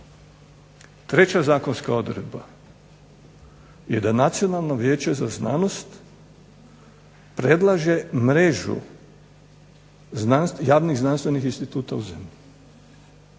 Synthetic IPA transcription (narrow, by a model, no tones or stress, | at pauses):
t̪ɾe̞t͡ɕazaːko̞nskao̞d̪ɾḛd̪ba̰ | jed̪anat̪sio̞nalˠnoʋjeːt͡ɕe̞zazna̰ːno̞st̪ | pɾed̪lˠaʒe̞mɾeʒṵ | znansjaːʋniɣznanst̪ʋe̞nixinst̪it̪uːt̪auze̞mʎi